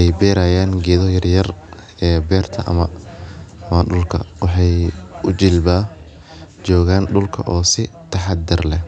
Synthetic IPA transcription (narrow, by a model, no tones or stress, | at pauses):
ɛjbɛːɾaːjaːnɡɛːðɔjɐrjɐr | ɛːbɛːrt̪ʰɐ̰ʔɐ̰mɐ | mɐɖʊlkʰɐ̰wɑħɑjʊt͡ʃɪlbaː | t͡ʃɔːɣaːnɖʊlkʰɐ̰ʔɔːsɪt̪ʰɐħɑd̪ɪrlɛ